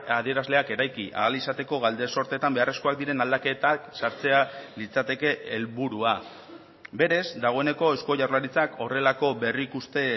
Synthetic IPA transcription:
aðie̞ɾazle̞ake̞ɾajkiʔa̰alisat̪e̞ko̞ɣald̪e̞so̞ɾt̪e̞t̪ambe̞are̞skoak̚d̪iɾe̞nald̪ake̞t̪aksaɾt͡se̞alit͡sat̪e̞ke̞ʔːlβuɾua | be̞ɾe̞zd̪aɣ̞o̞e̞ne̞ko̞esko̞ʝawɾlaɾit͡sako̞re̞lako̞βe̞rikust̪e̞

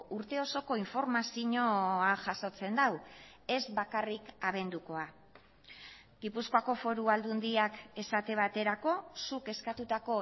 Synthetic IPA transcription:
uɾt̪e̞o̞so̞ko̞iɱfo̞ɾmasiɲo̞aʝaso̞t͡se̞nd̪aw | e̞zβakarikaβ̞e̞nd̪uko̞a | ɡipuskoako̞fo̞ɾuald̪und̪iake̞sat̪e̞βat̪e̞ɾako̞suke̞skat̪ut̪ako̞

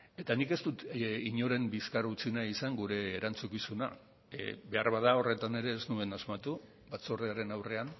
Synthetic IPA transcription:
e̞t̪anike̞st̪ut̪iɲo̞ɾe̞mbiskarut͡sinaisaŋɡuɾe̞ːɾant͡sukisuna | be̞aɾβaðao̞re̞t̪ane̞ɾe̞ːznue̞nazmat̪u | bat͡soreaɾe̞nawre̞an

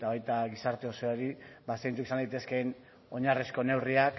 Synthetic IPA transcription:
t̪aβajt̪aɣisaɾt̪e̞o̞soaɾibasejnt͡sukisand̪ajt̪e̞ske̞n | o̞ɲarisko̞ne̞wriak

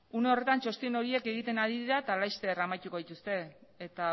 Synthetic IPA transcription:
une̞o̞re̞t̪ant͡ʃo̞st̪ino̞ɾie̞ke̞ɣit̪e̞naðiðiɾat̪alajst̪e̞ramajt̪uko̞ðit̪ust̪e̞ːt̪a

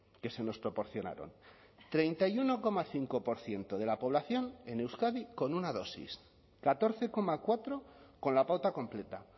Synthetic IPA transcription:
ke̞se̞no̞spɾo̞po̞ɾθjo̞na̰ɾo̞̰n | t̪ɾe̞jnt̪ajuno̞ko̞maθiŋko̞po̞ɾθje̞nt̪o̞ð̞e̞lapo̞β̞laθjo̞ne̞newskaðiko̞nunaðo̞sḭs | kat̪o̞ɾθe̞ko̞makwat̪ɾo̞ko̞nlapawt̪ako̞mple̞t̪a

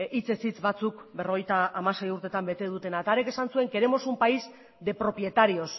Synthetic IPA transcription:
it͡se̞sit͡sβat͡sukbe̞ro̞ɣ̞ejt̪aːmase̞juɾt̪e̞t̪ambe̞t̪e̞ðut̪e̞naet̪aːɾeke̞sansue̞ŋke̞ɾe̞mo̞sumpaiz | d̪e̞pɾo̞pje̞t̪aɾio̞s

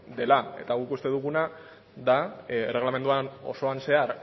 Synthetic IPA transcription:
d̪e̞lae̞̰t̪aɣuikust̪e̞ðuɣuna | d̪are̞ɣlame̞nd̪uano̞̰so̞anse̞aɾ

